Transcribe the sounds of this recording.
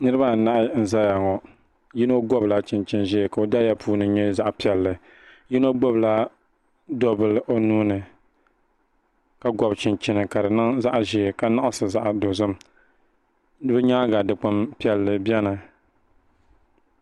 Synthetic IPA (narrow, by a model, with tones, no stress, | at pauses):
nɨ˦ɾɨ˦ba˦˨na˦ʔn̩˦za˦ja˨ŋɔ˨ | ji˦no˦ɡɔ˦bla˦t͡ʃɪ˨nt͡ʃɪ˦nʒɛ˦˨ka˨o˨da˦ja˦pʰuː˦nɨ˨ɲɛ˦za˦ʔpi˦ɛ˨lːɨ˨ | ji˦no˦ɡ͡bɔ˦bla˦ | dɔ˦bɨ˦lʔo˦nuː˦nɨ˨ | ka˨ɡɔ˨bt͡ʃɪ˨nt͡ʃɪ˦nɨ˨ka˨dɨ˨nɨ˦ŋza˦ʔʒɛ˨ka˦na˦ʔa˦sɨ˨za˦ʔdo˨zʊ˦m | nɨ˦bɨ˦ɲa˦ɡa˨dɨ˨k͡pa˦mpi˦ɛ˨lːɨ˨bɛ˦nɨ˨